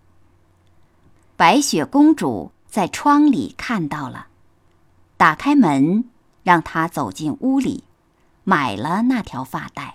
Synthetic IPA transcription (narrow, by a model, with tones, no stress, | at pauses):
pa˧˥ɪɕɥɛ˨˩kʊ˥ŋʈ͡ʂṵ˨˩ | t͡sa˥˩ɪʈ͡ʂʰwɑ˥ŋlḭ˨˩kʰa˥˧nt̪ɑ˥˩ʊlə̰˩ | t̪a˨˩kʰa˥ɪmə˧˥n | ɻɑ˥˩ŋt̪ʰa˥t͡so˨˩ʊt͡ɕi˥˩nu˥lḭ˨˩˦ | ma˨˩ɪlə˦na˥˩t̪ʰjɑ˧˥ʊfa̰˥˧t̪a˥˩ɪ